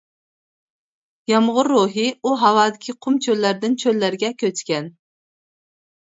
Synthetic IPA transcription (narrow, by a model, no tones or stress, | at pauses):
jɑmʁʊɾːuɦɨuɦɑwɑːd̪ɪkʲʰiqʰʊmt͡ʃʰølːæɾd̪ɪnt͡ʃʰølːæɾɡʲɛkʲʰøt͡ʃkʲɛn